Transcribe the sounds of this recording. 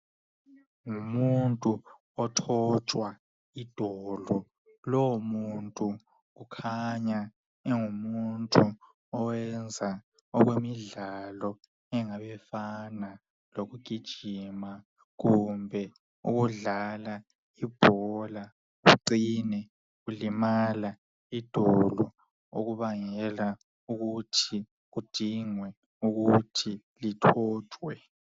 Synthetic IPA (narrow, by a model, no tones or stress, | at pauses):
ŋumuntʼu | ɔtʰɔt͡ʃʼwa | id̥ʱɔlɔ | lɔwumuntʼu | kukʰaɲa | ɛŋumuntʼu | ɔwɛnd͡zʱa | ɔɣ̬wemiɮalɔ | ɛŋaɓɛfana | loɣuɡ̥ʱid̥ʒ̥ʱima | ɣumbʱɛ | uɣuɮala | ib̥ʱɔla | uǀinɛ | ulimala | id̥ʱɔlɔ | o̰ɣuβaŋɛla | uɣutʰi | ɣud̥ʱiŋwɛ | uɣutʰi | litʰɔːd̥ʰʱwɛ